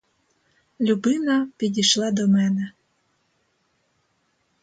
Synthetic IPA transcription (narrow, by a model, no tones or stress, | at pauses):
lʲubɪnɐpʲid̪ʲiʃlˠɑd̪ɔmɛnɛ